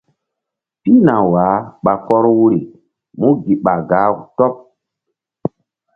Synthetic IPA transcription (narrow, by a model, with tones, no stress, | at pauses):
pi˦na˨waː˨˦ɓa˨kɔ˦ɾwu˦ɾi˨ | mu˦ɡi˨ɓa˨ɡaː˦˨tɔ˦p̚